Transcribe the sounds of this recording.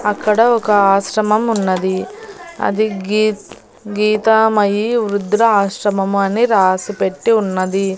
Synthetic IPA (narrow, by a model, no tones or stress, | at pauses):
ɐkːɐɽɐɔkɐaːʃɾɐmɐmunːɐd̪iɐ̰d̪iɡi | ɡiːt̪aːmɐjiuɾud̪ɾɐaːʃɾɐmɐmuɐnːiɾaːsupeʈːiunːɐd̪i